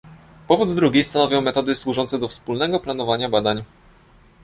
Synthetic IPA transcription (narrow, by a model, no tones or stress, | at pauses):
pɔvud̪d̪ɾuɡʲijst̪anɔvʲjɔ̃w̃mɛt̪ɔd̪ɘswuʐɔnt̪sɛd̪ɔfspulnɛɡɔplan̪ɔvaɲabad̪aɲ